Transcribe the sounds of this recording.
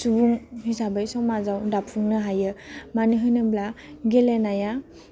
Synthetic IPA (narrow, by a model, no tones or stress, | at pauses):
subuŋhisabəjsɔŋmazawdapʰuŋnɯɦajɯmanɯɦɯjnɯblaɡelenaja